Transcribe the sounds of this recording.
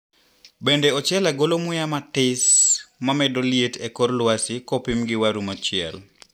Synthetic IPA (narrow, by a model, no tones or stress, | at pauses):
bendeɔt͡ʃɛlaɡolomʊjamatɪsmamɛdolietekorlwasɪkopɪmɡɪwaɾumot͡ʃɪɛ̰l